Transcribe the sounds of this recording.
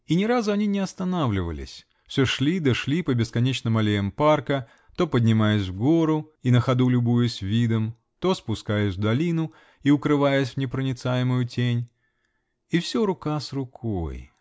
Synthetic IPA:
inʲɪɾazʊɐnʲinʲɪɐst̪ɐnavlʲɪvə̰lʲɪ̰sʲ | fsʲoʂlʲid̪əʂlʲipəbʲɪskɐnʲet͡ɕnɨmɐlʲejəmparkə | t̪o̞pədʲnʲɪmajɪsʲvɡo̞ɾʊinəxɐd̪ulʲʊbujʊsʲvʲid̪əm | t̪o̞spʊskajɪsʲvd̪ɐlʲinʊ | iʊkɾɨvajɪsʲvnʲɪpɾənʲɪt̪sajɪmʊjʊtʲenʲ | ifsʲoɾʊkasrʊkʰo̞̰j

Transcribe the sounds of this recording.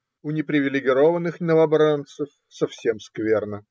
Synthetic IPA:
ʊnʲɪpɾʲɪvʲɪlʲɪɡʲɪɾovənɨxnəvɐbɾant̪səf | sɐfsʲe̞mskvʲernə

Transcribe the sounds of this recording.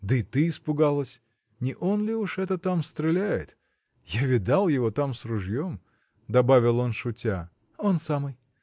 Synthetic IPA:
d̪əɪt̪ɨːspʊɡalˠəsʲ | nʲɪʔo̞nlʲɪuʂɛt̪ət̪amst̪ɾʲɪlʲæjɪ̰t̪ | javʲɪd̪alˠjɪvot̪amsrʊʐjom | d̪ɐbavʲɪlˠo̞nʂʊtʲa | o̞nsamɨj

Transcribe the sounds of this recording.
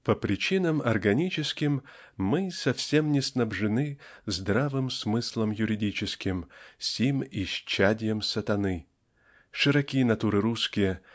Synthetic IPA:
pəpɾʲɪt͡ɕinəmɐrɡɐnʲit͡ɕɪskʲɪmː | ɨsɐfsʲe̞mnʲɪsnɐbʐɨnɨzd̪ɾavɨmsmɨslˠəmjʊɾʲɪdʲit͡ɕɪskʲɪmsʲimɪɕt͡ɕːadʲɪjəmsət̪ɐnɨ | ʂɨɾɐkʲijənɐt̪uɾɨɾuskʲɪjə

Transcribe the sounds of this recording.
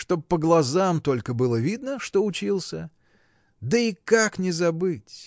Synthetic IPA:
ʂt̪o̞bpːəɡlˠɐzamt̪o̞lʲkəbɨlˠəvʲid̪nəʂt̪o̞ʊt͡ɕilˠsʲə | d̪əikaknʲɪzɐbɨtʲ

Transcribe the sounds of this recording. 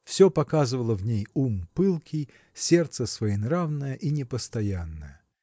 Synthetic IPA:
fsʲopɐkazɨvəlˠəvnʲejumpɨlˠkʲij | sʲe̞rt̪səsvəɪnravnəjəʔinʲɪpəst̪ɐjanːəjə

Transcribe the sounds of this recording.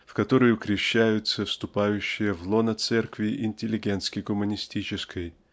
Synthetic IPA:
fkɐt̪o̞ɾəjʊkɾʲɪɕːæjʊt̪səfst̪ʊpajʉɕːɪjəvlˠo̞nət̪sɛrkvʲɪʔɪnʲtʲɪlʲːɪɡʲent̪skʲɪɡʊmənʲɪsʲtʲit͡ɕɪskʰəj

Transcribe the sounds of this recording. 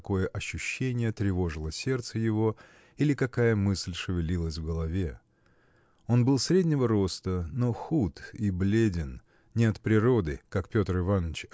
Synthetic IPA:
ko̞jəʔɐɕːʊɕːenʲɪjət̪ɾʲɪvo̞ʐɨlˠəsʲe̞rt̪səjɪvo̞ | ilʲɪkɐkajəmɨsʲlʲʂɨvʲɪlʲilˠəsʲvɡəlˠɐvʲe̞ | o̞nbɨlˠsɾʲedʲnʲɪvəɾo̞st̪əno̞xut̪iblʲedʲɪn | nʲɪɐt̪pɾʲɪɾo̞d̪ɨkakpʲo̞t̪rɪvanːət͡ɕ

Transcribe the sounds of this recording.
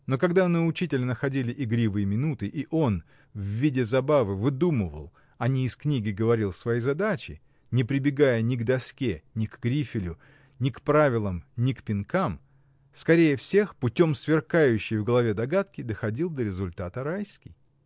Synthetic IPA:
no̞kɐɡd̪anɨʊt͡ɕitʲɪlʲnəxɐdʲilʲɪʔɪɡɾʲivɨjmʲɪnut̪ɨʔiʔo̞n | vvːʲidʲɪzɐbavɨvɨd̪umɨvə̰lˠ | ɐnʲiːsknʲiɡʲɪɡəvɐɾʲilˠsvɐjijzɐd̪at͡ɕɪ̰ | nʲɪpɾʲɪbʲɪɡajənʲɪɡd̪ɐskʲenʲɪkɡɾʲifʲɪlʲʊ | nʲɪkpɾavʲɪlˠəmnʲɪkpʲɪnkam | skɐɾʲejəfsʲe̞xpʊtʲo̞msvʲɪrkajʉɕːɪjvɡəlˠɐvʲed̪ɐɡat̪kʲɪd̪əxɐdʲilˠd̪əɾʲɪzʊlʲt̪at̪əɾajskʲɪj

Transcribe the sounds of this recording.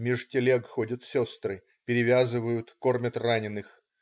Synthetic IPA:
mʲɪʐtʲɪlʲeɡxodʲət̪sʲost̪ɾɨ | pʲɪɾʲɪvʲazɨvəjʊt̪ko̞rmʲət̪ranʲɪnːɨx

